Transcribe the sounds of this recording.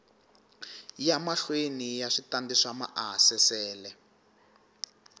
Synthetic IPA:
jamaɬwenijaʂitandiʂama̰ʔaɦsɛsɛːlɛ

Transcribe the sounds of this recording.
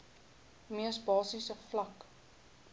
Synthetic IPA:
miəsbɑːsisəflɐk

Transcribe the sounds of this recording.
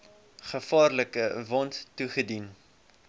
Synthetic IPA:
χəfɑːrləkəvɑntːuχədin

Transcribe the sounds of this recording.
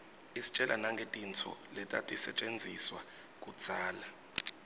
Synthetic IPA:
isi̥t͡ʃʼɛlʔa̰naŋɡʱetʼint͡sʰɔ̰lɛtʼa̰tʼisɛt͡ʃʼend͡zʱiswa | kʼud̥z̥ʱaːla

